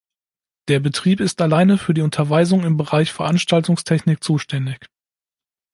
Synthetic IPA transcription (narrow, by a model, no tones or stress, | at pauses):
d̥eːɐbətʁ̥iːpɪstalaɪnəfyːɐdiːʊntʰɐvaɪzʊŋɪmbəʁaɪçfɛɐʔanʃtaltʊŋstʰɛçnɪk̚t͡suːʃtʰɛndɪç